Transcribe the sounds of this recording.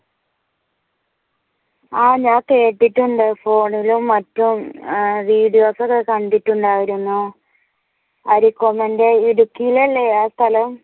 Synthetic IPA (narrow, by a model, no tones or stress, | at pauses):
aːɲaːke̞ːʈːiʈːuɳɖɨfo̞ːɳilumːɐtːumʋiːɽijo̞ːsɐkːekɐɳɖitːuɳɖaːjiɾunːu | ɐɾikːomɐndeiɾukːijilɐlːeaːst̪ʰɐlɐm